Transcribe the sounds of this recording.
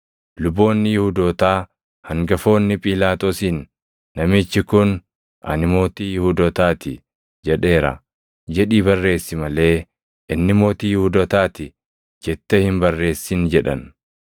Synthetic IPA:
lʊbːo̞ːnːɪjɪhʊd̪oːt̪aː | hɐŋɡɐfo̞ːnːɪpʼiːlaːt̪oːsinː | ɐmɪt͡ʃːɪkʊn | ʔɐ̰nɪmo̞ːt̪iːjɪhud̪ɔt̪aːt̪ɪ | d͡ʒɛᶑe̞ːɾɐ̰ | d͡ʒɛᶑiːbɐrːe̞ːsːɪmɐle̞ː | ʔɪnːɪmo̞ːt̪iːjɪhud̪ot̪aːt̪ɪ | d͡ʒɛt̪ːɛhɪmbɐrːe̞ːsːɪnd͡ʒɛᶑɐ̰n

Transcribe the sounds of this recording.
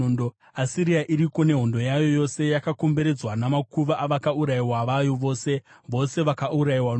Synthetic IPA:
do | asiɾiaʔiɾiko̞ne̞ɦo̞ndo̞jajo̞jo̞se̞jakako̞mbe̞ɾe̞d͡zwanamakuʋaʔːʋakauɾaiwaʋajo̞ʋo̞ːse̞ | ʋo̞se̞ʋakauɾaiwan

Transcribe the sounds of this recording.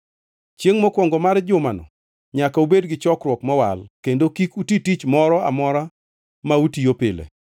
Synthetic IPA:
t͡ʃjeŋmɔkwɔŋɡɔmard͡ʒʊmanɔ̰ | ɲakaubedɡɪt͡ʃɔkɾwɔkmawa̰lkendokikutitit͡ʃmɔɾɔa̰mɔɾa | mautijopɪlḛ

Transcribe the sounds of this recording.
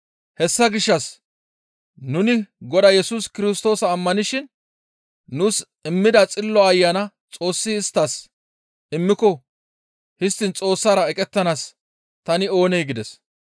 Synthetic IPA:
hɛsːɐɡɪʃːɐs | nʊnɪɡɔd̪ɐjɛsuskɪɾɪst̪o̞ːsɐːmːɐnɪʃɪnː | ʊs | ɪmːɪd̪ɐt͡sʼɪlːɔɐjːɐnɐ | t͡sʼo̞ːsːɪɪst̪ːɐs | ɪmːɪkɔ | hɪst̪ːɪnt͡sʼo̞ːsːaːɾɐɛkʼɛt̪ːɐnas | t̪ɐnɪo̞ːnɛjɡɪd̪ɛs

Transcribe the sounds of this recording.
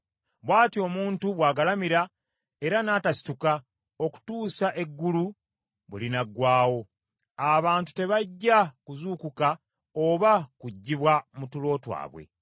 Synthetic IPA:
βwaːtio̞muːntuβwaːɡalamiɾa | e̞ɾanaːtasi̥tuka | o̞ku̥tuːsaʔe̞ɡːulu | βulinaɡwaːwo̞ | aβaːntu̥te̞βaɟːakuzuːkuka | o̞βakuɟːiβwamutulo̞ːtwa̰ːβwḛ

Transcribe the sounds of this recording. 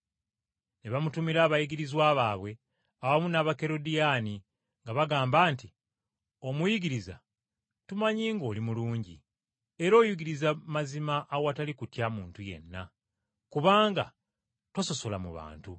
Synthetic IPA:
neβamutumiɾaːβajiɡiɾizwaːβaːβwe̞ | aβamunaβake̞ɾo̞dijaːni | ŋɡaβaɡaːmbaːnti | o̞mujiɡiɾiza̰ | tumaɲiːŋɡo̞ːlimuluːɲɟḭ | e̞ɾo̞ːjuɡiɾizamazimaʔːwatalikutjamuːntuje̞̰nːa̰ | kuβaːŋɡa̰ | twaso̞so̞lamṵβa̰ːntu

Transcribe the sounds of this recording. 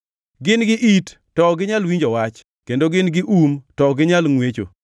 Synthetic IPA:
ɡɪnɡɪʔitːɔɡɪɲalwiɲd͡ʒɔwat͡ʃ | kendoɡɪnɡɪʔumtɔɡɪɲalŋwet͡ʃo̰

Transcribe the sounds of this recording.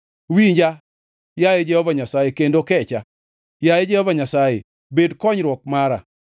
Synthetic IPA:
wiɲd͡ʒa | jajed͡ʒɛhɔvaɲasajekendokɛt͡ʃa | jajed͡ʒɛhɔvaɲasajḛ | bedkɔɲɾwɔk̚maɾa̰

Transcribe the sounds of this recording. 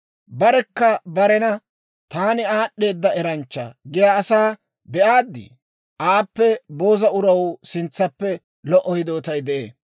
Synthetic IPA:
bɐɾɛkːɐbɐɾɛnɐ | t̪aːnɪaːɗːe̞ːd̪ːɐɛɾɐnt͡ʃːɐ̰ɡɪjaːsaː | bɛʔaːd̪ːɪ̰ | ʔaːpːɛbo̞ːzɐʊɾɐwsɪnt͡sːɐpːɛ | lɔʔɔjɪd̪o̞ːt̪ɐjd̪ɛʔḛː

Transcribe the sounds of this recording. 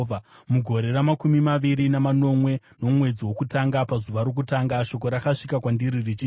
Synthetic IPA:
amuɡʱo̞ɾe̞ɾamakumimaʋiɾinamano̞mwe̞ | no̞mwe̞d͡ziwo̞kutaŋɡapazuʋaɾo̞k̬utaŋɡaʃo̞ko̞ɾakaʂikakwandiɾirit͡ʃiː

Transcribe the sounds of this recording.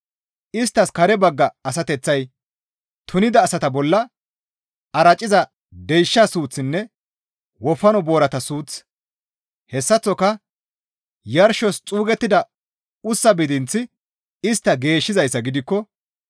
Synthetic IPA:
ɪst̪ːɐskɐɾɛbɐɡːɐːsɐt̪ɛt͡sːɐj | t̪ʰʊnɪd̪ɐːsɐt̪ɐbɔlːɐ | ɐɾɐt͡ʃʼːɪzɐ | d̪ɛjʃːɐsuːt͡sːɪnːɛ | wɔfɐnɔbo̞ːɾɐt̪ɐsuːt͡s | hɛsːɐt͡sːɔkɐ | jɐɾʃɔst͡sʼuːɡɛt̪ːɪd̪ɐ | ʊsːɐbɪd̪ɪnt͡sːɪ | ɪst̪ːɐɡe̞ːʃːɪzɐjsːɐɡɪd̪ɪkːɔ

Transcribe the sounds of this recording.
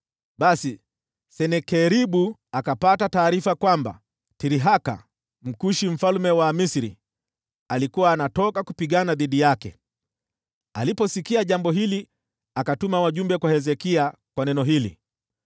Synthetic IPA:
ɓasi | sɛnɛkɛɾiɓuakapatataːɾifakwamba̰ | tiɾiɦaka̰ | m̩kuʃim̩falumɛwamisiɾḭ | alikuwaːnatɔkakupiɠanaðiɗijakɛ̰ | alipɔsikiaʄambɔɦili | akatumawaʄumbɛkwahɛzɛkiakwanɛnɔɦilḭ

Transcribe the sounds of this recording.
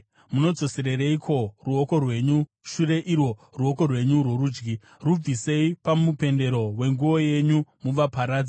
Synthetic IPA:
muno̞d͡zo̞se̞ɾeɾeikʰo̞ruoko̞rwe̞ɲu | ʃure̞ʔirwo̞ruo̞ko̞rwe̞ɲurwo̞ruːd͡ʒɡi | rub͡vise̞ipamupe̞nde̞ɾo̞we̞ŋɡuo̞je̞ɲumuʋapaɾaːd͡zi

